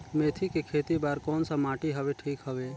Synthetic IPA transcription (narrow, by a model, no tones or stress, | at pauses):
meːt̪ʰikekʰeːt̪ibaːɾkɔːnsamaːʈiɦəʋeʈʰiːkɦəʋeː